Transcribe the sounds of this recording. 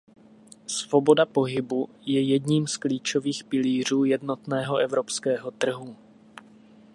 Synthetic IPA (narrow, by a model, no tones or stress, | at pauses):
svo̞bo̞dapo̞ɦɪbu | jɛjɛdɲiːmskliːt͡ʃo̞viːxpɪliːr̝uːjɛdnot̪nɛːɦo̞ʔɛvɾo̞pskɛːɦo̞t̪r̩ɦu